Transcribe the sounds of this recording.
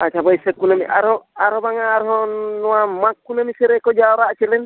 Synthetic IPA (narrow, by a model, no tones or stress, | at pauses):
at͡ʃʰabɔjsɛkːunamḭʔaɾhɔaɾɦɔbaŋaːɾɦɔnɔwamakːunamisɛɾɛkɔd͡ʒaɔɾaʔt͡ʃɛlɛn